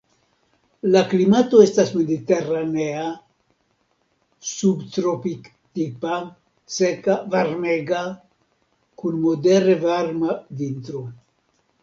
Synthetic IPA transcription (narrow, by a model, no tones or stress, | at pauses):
laklimat̪o̞estasme̞d̪it̪eranea | subt̪ɾopik | t̪ipa | sekavaɾmeɡa | kunmod̪eɾevaɾmavint̪ɾo